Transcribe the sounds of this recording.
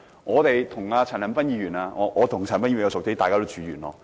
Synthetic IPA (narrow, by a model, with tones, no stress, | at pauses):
ŋɔː˨˧t̪e˨jt̪ʰʊ˨˩ŋaː˧t͡sʰaː˨˩nɐ˨˩npɐ˥njiː˨˧ɥyː˨˩naː˧ŋɔː˨˧ʔɔː˨˧t̪ʰʊ˨˩ŋʰː˨˩npɐ˥nɲi˧˥˨jɐ˧sʊ˨k̚t̪e˥t̪aː˨kaː˥t̪o˥wt͡ʃyː˨˧˥jyː˨˩nɔ̰ː˧